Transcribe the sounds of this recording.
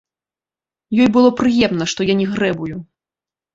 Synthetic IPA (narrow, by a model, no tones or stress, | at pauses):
jɔjbɨlˠɔpɾɨjɛmnɐʂt̪ɔjanʲɛɣɾɛbuju